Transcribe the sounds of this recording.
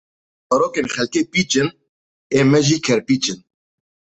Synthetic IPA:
pɔɾoːkeːnxɛlkeːpiːt͡ʃɪn | eːmɛʒiːkʰɛɾpiːt͡ʃɪn

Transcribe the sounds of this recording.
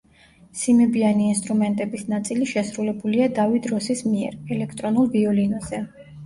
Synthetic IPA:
simɛbianiːnst̪ʼɾumɛnt̪ʼɛbisnat̪sʼiliʃɛsɾulɛbuliad̪avid̪ɾɔsismiɛ̰ɾɛlɛkʰt̪ʼɾɔnulˠviɔlinɔzɛ

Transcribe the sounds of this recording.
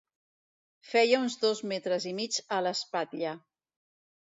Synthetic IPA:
fɛjəunzðozmet̪ɾəzimid͡ʒələspat̪ʎa

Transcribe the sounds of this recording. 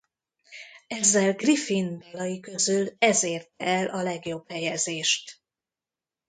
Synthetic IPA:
ɛzːɛlɡrifinbɒlɒjikøzylɛzeːrt̪̚ɛɛlʔɒlɛɡjo̞bhɛjɛzeːʃt̪

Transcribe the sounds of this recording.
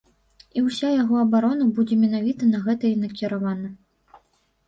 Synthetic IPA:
iwsʲajaɣɔɐbaɾɔnɐbud͡zʲɛmʲɛnavʲit̪ɐnɐɣɛt̪ɐinɐkʲɛɾavanɐ

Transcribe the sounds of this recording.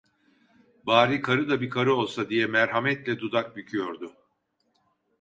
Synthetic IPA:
baːɾiːkʰaɾɯd̪abikʰaɾɯo̞lˠsad̪ijɛmæɾɦamɛt̪lʲɛd̪ud̪ak̚bycʰyjo̞ɾd̪ʊ

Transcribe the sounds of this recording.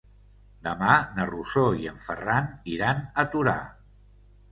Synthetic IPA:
d̪əmanərusoiəɱfə̰raniɾanət̪uɾa̰

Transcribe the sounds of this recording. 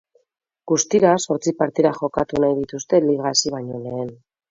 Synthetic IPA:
ɡ̥ust̪iɾaso̞ɾt͡sipaɾt̪iðaxo̞kat̪unajðit̪ust̪e̞liɣ̞aːsiβaɲo̞le̞eːn

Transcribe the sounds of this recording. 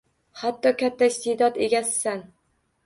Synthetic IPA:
hat̪ːɒkʲʰat̪ʰːaɪst̪ʰed̪ɒd̪e̞ɡʲasːan

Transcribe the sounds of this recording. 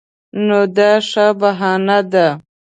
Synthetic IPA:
nod̪aʂabaɦɑnad̪a

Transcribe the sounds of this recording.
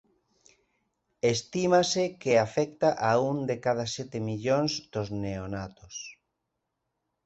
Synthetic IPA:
est̪imasekeafɛkt̪aʔaund̪ekað̞asɛt̪emiʎonzd̪ozneonat̪os

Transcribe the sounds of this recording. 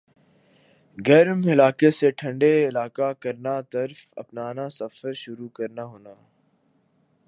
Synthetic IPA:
ɡɛɾmɪlaːkeseʈʰɐ̃ɳɖeɪlaːkakɐɾnat̪ɐɾfɐ̰pnaːnasɐfəɾʃʊɾukɐɾnaɦoːnaː

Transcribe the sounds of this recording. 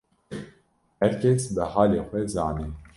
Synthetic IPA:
hɛɾkʰɛsbəhɑːleːxʷɛzɑːniːn

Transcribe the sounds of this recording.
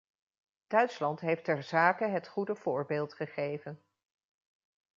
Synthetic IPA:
d̥œɥtslɑntɦejftɛɹzaːkəɦətχudəv̥ʊːɹbeːlˠtχəχejvən

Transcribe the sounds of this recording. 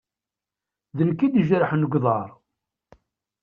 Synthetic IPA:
ðəlkːid̪əʒɾəħnəɡʷðˤɑɾˤ

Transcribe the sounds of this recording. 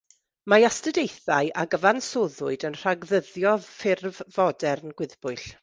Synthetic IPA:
maastədejθaɨʔaɡəvansoːðʊɨdənr̥aɡðəðjɔfɪrvvɔdɛrnɡ̥wɪðb̥ʊɨɬ

